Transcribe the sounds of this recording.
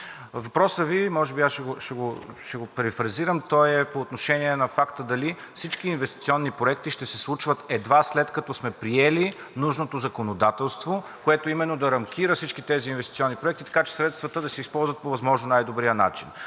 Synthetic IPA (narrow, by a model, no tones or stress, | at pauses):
vɐpɾɔsəvimɔʒɛbiasʃɛɡoʃɛɡoʃɛɡopɛɾifɾɐziɾəmt̪ɔjɛpoːt̪noʃɛniɛnɐfakt̪əd̪ɐli | fsit͡ʃkiːnvɛst̪it̪siɔnːipɾoɛkt̪iʃt̪ɛsɛslˠut͡ʃvət̪ɛd̪vaslɛt̪kɐt̪ɔsmɛpɾiɛli | nuʒnot̪ozɐkonod̪at̪ɛlˠst̪vo | koɛt̪oimɛnːod̪ɐɾɐmk̟ʲʰiɾəfsit͡ʃkit̪ɛziːnvɛst̪it̪sʲiɔnːipɾoɛk̚t̪it̪ɐ̥kat͡ʃɛ̥sɾɛt̪st̪vɐt̪əd̪ɐsɛispɔlˠzvət̪̚povɐzmɔʒnonajd̪obɾijəna̰t͡ʃin